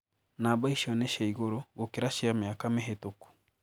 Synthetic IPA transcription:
nabaiʃɔnɛʃaiɣoɾoɡokeɾaʃiameakamɛɦetoku̥

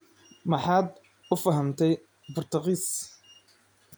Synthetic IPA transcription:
mɐħaːd̪ | ʊfɐɦɐmt̪ʰɛj | bʊrt̪ʰɑqiːs

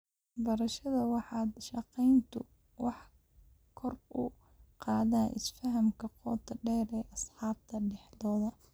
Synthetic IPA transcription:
bɐɾɐʃɐðɐwɑħɑːd̪ʃɑqɛjnt̪ʰʊ̰ | wɑħ | kʰɔrbʊ̰ | qɑːðaːnʔɪ̰sfɐɦɐmkʰɐqɔːt̪ʰɐɖɛːɾɛːʔɐsħɑːb̚t̪ʰɐɖɛħlɔːðɐ

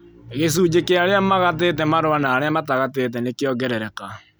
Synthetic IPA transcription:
ɣes̬uːd͡ʑekeaɾeamaɣat̬et̬ɛmaɾowanaːɾeamataɣatet̬ɛnekeɔɡɛɾɛɾɛka

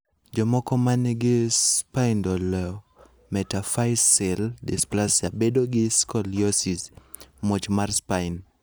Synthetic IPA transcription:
d͡ʒɔmɔkɔmanɛɡɪspaɪndɔlɔ | mɛtafaɪsɛldɪsplasiabedoɡɪskɔljɔsis | mot͡ʃmarspaɪn

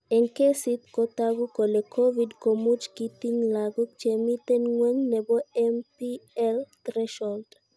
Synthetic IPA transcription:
ɛŋkesit̪kot̪aɡukolekʰovidkomut͡ʃkit̪iŋlaɡɔt͡ʃemit̪ɛnŋwɛŋnɛbɔɛmpiɛlt̪ɾɛʃɔlt

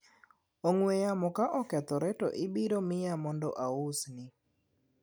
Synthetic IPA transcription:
oŋwejamɔkaʔɔkɛt̪ɔɾɛtɔ̰ʔɪbiɾomɪjamɔndɔ̰ʔaʊsnɪ

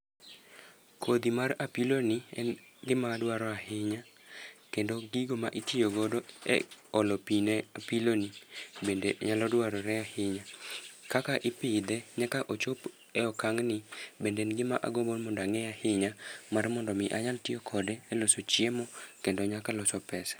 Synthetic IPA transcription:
kʰod̪imarapilonɪɛn | ɡɪmadwaɾɔahɪɲa | kendoɡiɡomaʔitijoɡodoɛ̰ɔlɔpinɛapilonibendeʔɲalɔdwaɾɔɾɛahɪɲakakaʔɪpɪd̪ɛɲakaʔot͡ʃop | ɛɔkaŋnɪbendeɛnɡɪmaʔa̰ɡobonmɔndaŋɛahɪɲamarmɔndɔmɪʔaɲaltɪokʰɔdɛːlosot͡ʃjemɔkendoɲakalɔsɔpɛsḁ

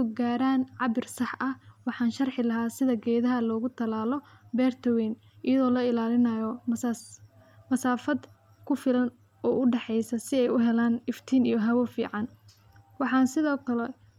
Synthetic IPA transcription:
ʊɡaːɾaːnʕɑβɪrsɑħɐhwɑħɑːnʃɐrħɪlɐɦaːsɪðɐɡɛːðɐɦɐlɔːɣʊt̪ʰɐlaːlɔbɛːrt̪ʰɐwɛːn | ʔɪjɐðɔːlɐɪlaːlɪnɐjɔ | mɐsaːfɐd̪ | kʰʊfɪlɐn | ɔːʔʊɖɛħɛjsɐsɪɛjʊɦɛlaːnɪft̪ʰiːnḭjɔɦɐwɔfḭːʕɑn | wɑħɑːnsɪðɔːkʰɐlɛ

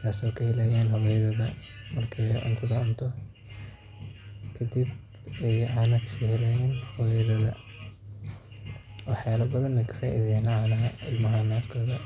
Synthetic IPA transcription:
t̪ʰaːsɔːkʰɐhɛlɛjaːnhɔβɛjɐðɐðɐ | mɐrkʰɛjʔʊ̰nt̪ʰɐðɐʊnt̪ʰɔ | kʰɐd̪ib | ɛjʕɑːnɐksihɛlɛjɛːnhɔβɛjðɐðɐ̰ | wɑħjaːlɐbɐðɐnːɐkʰɐ̥faːʔɪ̰ðɛːnɐʕaːnɐɦɐɪlmɐɦɐnaːskʰɔːðɐ

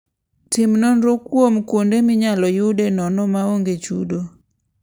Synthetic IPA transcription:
tɪmnɔnɾokwomkondemɪɲalɔjʊdenɔnɔmaoŋɡet͡ʃṵdo

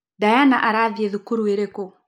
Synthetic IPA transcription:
dajanaʔaɾaðiɛðukuɾueɾeko

